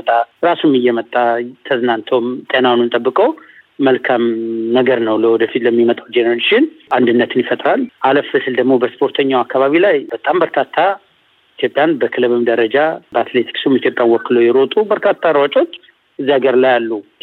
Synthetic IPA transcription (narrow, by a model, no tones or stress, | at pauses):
ət̪ʼːaɾasumɨjːɛmət̪ʼːat̪ʰəzɨnant̪ʰomt̪ʼenanunt̪ʼəbːɨkʼəw | məlkʰamnəɡəɾnəwləwɔd̪əfit̪ləmːimət̪ʼawd͡ʒenəɾeʃɪnand̪ɨnːət̪ʰɨnjifət̪ʼɾalʔaləfːɨsɨld̪əɡmo̞bəspʰo̞ɾt̪ʰəɲːawakʰːaβaβilajb̥ət̪ʼambəɾkʰat̪ʰːa | it̪ʰjopʼjanbəkʰɨlɨβɨmd̪əɾəd͡ʒabəat̪le̞t̪ʰi̥ksumit̪jo̞pʼjanwɔkːɨlojɛɾot̪ʼubəɾkʰat̪ʰːaɾwat͡ʃʼo̞t͡ʃː | ɨzːiaɡəɾlajalːu